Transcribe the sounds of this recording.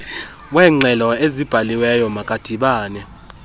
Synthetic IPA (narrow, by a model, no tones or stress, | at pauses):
wɛːŋ͡ǀɛlɔezib̥ʱaliwɛjɔmakʼad̥ʱiɓaːnɛ